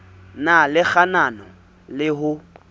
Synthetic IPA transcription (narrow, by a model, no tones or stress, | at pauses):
nalɪk͡xananɔ | lɪɦʊ